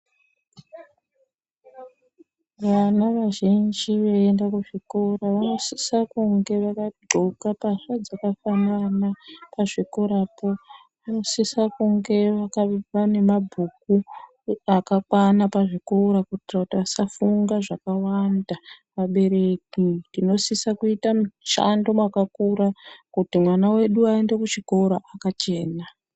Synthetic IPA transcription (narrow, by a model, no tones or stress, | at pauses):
ʋanaʋaʒind͡ʒiʋeendakuʐikoraʋano̞sisakuŋɡe̞ʋakaɡ͡ǃʱokapaʂad͡zakafananapaʐiko̞ɾapo̞ | ʋano̞sisakuŋɡe̞ʋakaʋane̞mabʱuku | akakwanapaʐiko̞ɾakutirakutiasafuŋɡaʐakawanda | ʋaɓe̞ɾe̞kindino̞sisakuitamuʃa̰ndo̞mwakakuɾakutimwanawe̞ɗuaende̞kut͡ʃiko̞ɾoʔakat͡ʃe̞ːna